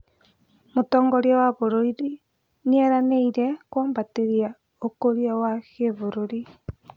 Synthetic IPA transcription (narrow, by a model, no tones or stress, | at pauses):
motɔːŋɡɔɾjawaβoɾoiɾi | nieɾaneiɾekwoːmbateɾia | okoɾiawakeβoɾoɾi